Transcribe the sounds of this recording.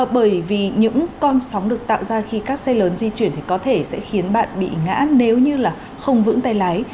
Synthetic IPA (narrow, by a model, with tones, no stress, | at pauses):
ɓəː˧˩jvi˨˩ɲɨ̰˧˥ŋkɔ˧nsa˨˦wŋ͡mɗɨ˨˩ək̚t̪a̰ː˧˨wzaː˧xi˧kaː˦˥k̚sɛ˧ləː˨˦nzi˧t͡ɕwi˧˩ənt̪ʰi˨˩kɔ˨˦t̪ʰe˧˩sɛ̰˧˥xi˨˦ənɓa̰ː˧˨nɓḭ˧˨ŋa̰ː˧˥ne˨˦wɲɨ˧laː˨˩ | xə˧wŋ͡mvɨ̰˧˥ŋt̪a˧jlaː˨˦j